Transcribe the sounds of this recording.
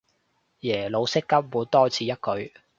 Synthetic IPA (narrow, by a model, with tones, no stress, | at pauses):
jɛː˨˩lo˨˧wsɪ˥kːɐ˥p̚muː˨˧nt̪ɔː˥t͡sʰiː˨˧jɐ˥t̚kɵ˨˧ɥ